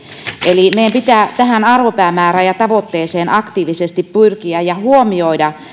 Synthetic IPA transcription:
ʔelimejæmpit̪æˑt̪æhænɑrʋopæːmæːræjɑt̪ɑʋot̪ːeːseːnʔɑkt̪iːʋisest̪ippyrkiæjɑhuomioidɑ

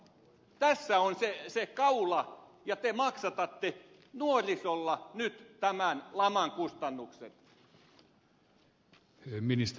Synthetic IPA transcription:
t̪æsːæonsesekɑulɑjɑt̪emɑksɑt̪ɑt̪ːe | nuorʲisolːɑnyt̪t̪æmænlɑmɑŋkust̪ɑnːuksḛt̪ | minist̪

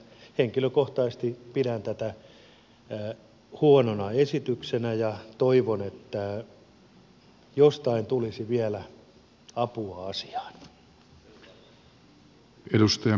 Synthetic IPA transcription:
heŋkiløkoht̪ɑist̪ipidænt̪æt̪æ | huononɑesit̪yksenæjɑt̪oiʋonet̪ːæ | jost̪ɑint̪ulisiʋiælæ | ɑpuɑɑsi̥ɑ̥ːn | edust̪ɑjɑ

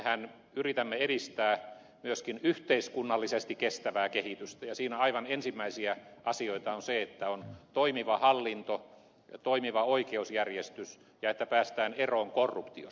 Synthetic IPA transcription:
ehæn | yrit̪æmːeeɾist̪æː | myøskinyht̪eiskunːɑlːisest̪ikkest̪æʋæːkehit̪yst̪æjɑsiːnæɑiʋɑnensimːæisiæʔɑsioit̪ɑonseet̪ːæont̪oimiʋɑhɑlːint̪o | t̪oimiʋɑoikeusjærjest̪ys | jɑet̪ːæpæːst̪æːneroːŋkorːupt̪io̰

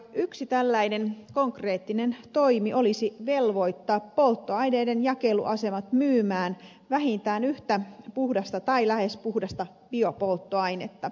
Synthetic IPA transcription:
yksit̪ælːæinenkoŋkreːt̪ːinent̪oimiʔolisiʋelʋo̞it̪ːɑːppolt̪ːoɑjneːdenjɑkelṵʔɑsemɑt̪myːmæːn | ʋæhint̪æːnyht̪æpuhdɑst̪ɑt̪ɑilæhespuhdɑst̪ɑ | b̥iopolt̪ːoɑinet̪ːɑ

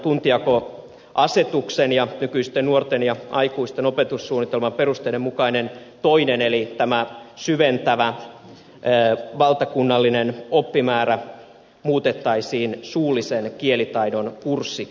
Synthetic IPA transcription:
t̪unt̪iɑko | ʔɑset̪uksenjɑnykyist̪ennuort̪enjɑɑikuist̪enopet̪ussuːnːit̪elmɑmperust̪eilemukɑinent̪oinenelit̪æmæsyʋent̪æʋæ | ʋɑlt̪ɑkunːɑlːinenopːimæːɾæ | muːt̪et̪ːɑisiːnsuːlisenkielit̪ɑinonkursːi

